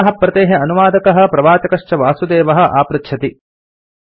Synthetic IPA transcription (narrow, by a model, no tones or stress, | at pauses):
ɐɦɐpɾɐt̪eːɦeɐnuʋaːd̪ɐkɐɦɐ̆pɾɐʋaːt̪ɐkɐʂt͡ʃɐʋaːsud̪eːʋɐɦɐ̆ʔa̰ːpɾɐt̪ʃʰɐt̪i